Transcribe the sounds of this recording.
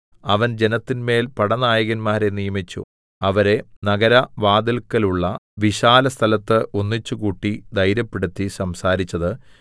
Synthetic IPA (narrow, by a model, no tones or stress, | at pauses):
ɐʋɐnd͡ʑe̞nɐt̪ːinme̞ːlpɐɽɐnaːjɐɣɐnmaːɾe̞nijɐmit͡ɕːṵ | ɐʋɐɾe̞nɐɡɐɾɐʋaːd̪ɐlkːɐluɭːɐʋiɕaːlɐst̪ʰɐlɐt̪ːɨʔonːit͡ɕːukuːʈːid̪ɐjɾɐpːeɽut̪ːisɐmsaːɾit͡ɕːɐðɨ